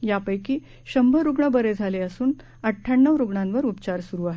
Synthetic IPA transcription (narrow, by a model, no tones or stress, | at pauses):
japəjkiː | ɕəmbʱəɾuɡɳəbəɾed͡zʱaleəsuːn | əʈʰːaɳːəʋɾuɡɳãnʋəɾupt͡ɕaɾsuɾuːaɦe